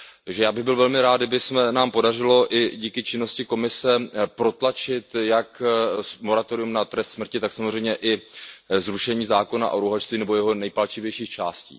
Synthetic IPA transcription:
ʒɛjaːbɪɣbɪlvɛlmɪɾaːd̪dɪbɪsmɛnaːmpo̞darɪlo̞ʔɪɟiːkɪt͡ʃɪno̞scɪko̞mɪsɛpɾo̞t̪lat͡ʃɪt̪jakmo̞ɾat̪oɾɪumnat̪ɾɛst̪smr̩cɪt̪aksamozrɛjmɲɛʔɪzɾuʃɛɲiːzaːko̞na̰ʔoɾuɦat͡ʃst̪viːnɛbo̞jɛɦo̞nɛjpat͡ʃɪvjɛjʃiːxt͡ʃa̰ːscḭː

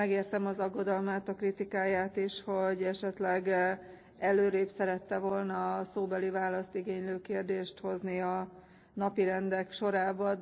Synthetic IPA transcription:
ɛɡeːrt̪ɛmɒzɒɡːo̞d̪ɒlmaːt̪ɒkrit̪ikaːjaːt̪iʃho̞ɟɛʃɛt̪lɛɡ | ɛløːɾeːpsɛɾɛt̪ːɛvo̞lnɒsoːbɛlivaːlɒst̪iɡeːɲløːkeːrd̪eːʃt̪ho̞zniɒ | nɒpiɾɛnd̪ɛkʃo̞ɾaːbɒ

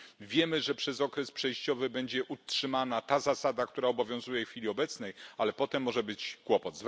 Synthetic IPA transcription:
vʲjɛmɘʐɛpʂɛzɔkɾɛspʂɛjɕt͡ɕɔvɘbɛɲd͡ʑɛʔutʂɘmanat̪azasad̪ak̚t̪uɾaɔbɔvʲjɔ̃w̃zujɛxfʲilʲiɔbɛt̪snɛjalɛpɔt̪ɛmːɔʐɛbɘt͡ɕkwɔpɔd̪z

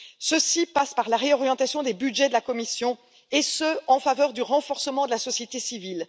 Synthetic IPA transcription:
səsipaspaʁlaʁeɔʁjɑ̃t̪asjɔ̃d̪ebyd̪ʒɛd̪əlakɔmisjɔ̃ | esəɑ̃favœʁd̪yʁɑ̃fɔʁsəmɑ̃d̪əlasɔsjet̪esivil

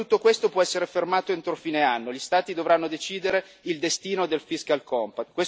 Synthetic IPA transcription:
ut̪ːokwest̪opwɔɛsːeɾefermaːt̪oent̪ɾofiːneanːoʎist̪aːt̪id̪ovɾanːod̪et͡ʃiːd̪eɾe | ild̪est̪iːnod̪elfiskalkɔmpat̪kwe

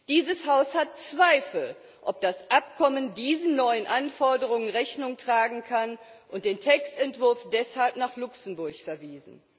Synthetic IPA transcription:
d̥iːzəshaʊshat̚t͡sv̥aɪfl̩ | ʔɔp̚d̥asʔapkʰɔməndiːzn̩nɔʏənʔanfɔɐdəʁ̞ʊŋənʁɛçnʊŋtʁ̥aːɡŋ̩kʰan | ʔʊntd̥eːntʰɛkstɛntv̥ʊɐfd̥ɛshalpnaːχlʊksn̩bʊɐçfɛɐviːzn̩

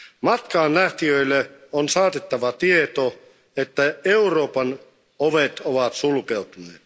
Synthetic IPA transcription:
mɑt̪kɑːnlæht̪iøilːeonsɑːt̪et̪ːɑʋɑt̪iet̪o | et̪ːæeuroːpɑn | oʋet̪oʋɑt̪sulkeut̪uneːt̪

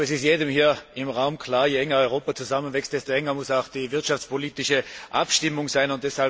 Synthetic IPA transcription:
ɛsɪstjeːdəmhiːɐɪmʁaʊmkʰlaːɐjeɛŋɐɔʏʁoːpat͡suzamənvɛkstd̥ɛstoɛŋɐmʊsaʊxd̥iːvɪɐtʃaft͡spʰoliːtɪʃəʔa̰pʃtɪmʊŋzaɪnʊnt̚d̥ɛshal

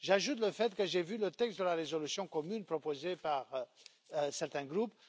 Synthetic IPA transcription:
ʒaʒut̪̬ləfɛt̪kəʒɛvylət̪ɛkst̪̚d̪əlaʁezɔlysjɔ̃kɔmynpχɔpozepaʁ | sɛʁt̪ɛ̃ɡʁup

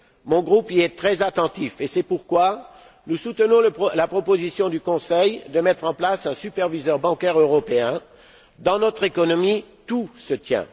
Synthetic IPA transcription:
mɔ̃ɡʁupiɛt̪χɛzat̪ɑ̃t̪ifesɛpuʁkwa | nusut̪ənɔ̃əlapχɔpozisjɔ̃d̪ykɔ̃sɛjd̪əmɛt̪χɑ̃plasɛ̃sypɛʁvizœʁbɑ̃kʲɛʁøʁɔpeɛ̃ | d̪ɑ̃nɔt̪χekɔnɔmit̪usət̪jɛ̰̃

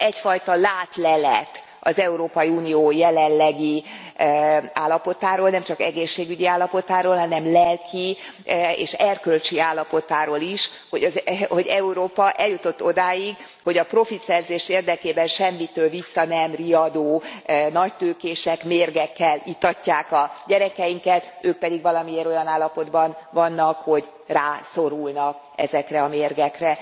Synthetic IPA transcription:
ɛcfɒjt̪ɒlaːt̪lɛlɛ̰t̪ | ɒ̰zɛuɾoːpɒjiunijoːjɛlɛlːɛɡi | aːlːɒpo̞t̪aːɾoːlnɛmt͡ʃɒkɛɡeːʃːeːɡyɟiaːlːɒpo̞t̪aːɾoːlɦɒnɛmlɛlkʰi | ḛːʃɛrkølt͡ʃiaːlːɒpo̞t̪aːɾoːliʃ | ho̞ɟɒzho̞ɟɛuɾoːpɒʔɛljut̪ot̪ːo̞d̪aːjiɡ | ho̞ɟɒpro̞fit̪sɛrzeːʃeːrd̪ɛkeːbɛnʃɛmːit̪øːlvisːɒnɛmriɒd̪oːnɒct̪øːkeːʃɛkmeːrɡɛkːɛlit̪ɒcːaːkɒɟɛɾɛkɛjiŋkɛt̪øːk̚pɛd̪iɡʋɒlɒmieːɾo̞jɒnaːlːɒpo̞d̪bɒnvɒnːɒkho̞ɟ | raːso̞ɾulnɒk | ɛ̰zɛkrɛɒmeːrɡɛkrɛ

